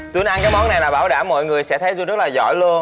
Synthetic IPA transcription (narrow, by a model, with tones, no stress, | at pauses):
t̪wi˨˦ənʔa˧nkaː˨˦jmɔ˨˦nːa˨˩jlaː˨˩ɓaː˧˩wɗaː˧˩mːɔ̰˧˨jŋɨ˨˩əjsɛ̰˧˥t̪ʰə˨˦jzu˧zə˦˥t̚laː˨˩zɔ̰˧˩jlu˧əən